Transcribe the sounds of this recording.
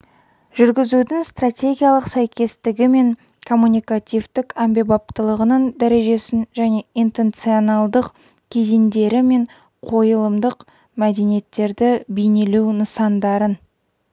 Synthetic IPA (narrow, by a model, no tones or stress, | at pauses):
ʒʏɾɡʲɪzud̪ɪŋst̪rat̪ʲe̞ɡʲijalˠəqsæjkʲe̞st̪ɪɡʲɪme̞ŋ | kʰo̞mːunʲijkat̪ʲivt̪ɪkambe̞bɑp̚t̪əlˠəʁənəɴd̪æɾe̞ʒe̞sɪnʒæne̞ijnt̪e̞nt̪sio̞nɑlˠd̪əq | kʲʰe̞zend̪e̞ɾɪme̞ɴ | qʰo̞jəlˠəmd̪əq | mæd̪e̞nije̞t̪ːe̞ɾd̪ɪbijneluwnəsɑnd̪ɑɾən